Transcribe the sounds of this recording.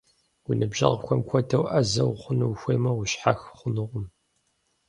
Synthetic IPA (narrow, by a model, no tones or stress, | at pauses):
wʊnɨbʒɐ̰ʁxʷɔmkʷʰɔdʰɐwʔɐzɐwχʷʊnɨwxʷeːmɐʁʷʊɕħa̰xχʷʊnɨʁʷʊm